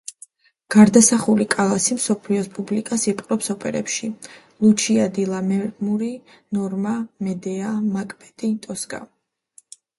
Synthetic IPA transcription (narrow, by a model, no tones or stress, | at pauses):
ɡ̥aɾd̪asaχulikʼalˠasimsɔpʰliɔspʼublikʼasipʼqʼɾɔpsɔpʼɛɾɛ̰pʃi | lˠut͡ʃʰiad̪ilˠamɛmuɾi | nɔɾmamɛd̪ɛamakʼm̥ɛt̪ʼit̪ʼɔskʼa̰